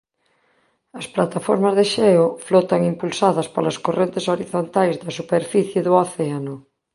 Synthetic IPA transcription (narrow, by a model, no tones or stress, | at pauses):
ɐsplat̪afo̰ɾmɐzðeʃɛoflot̪aŋimpulsaðɐspalɐskorent̪esoɾiθont̪ajzðɐsupeɾfiθjeðʊaθeanʊ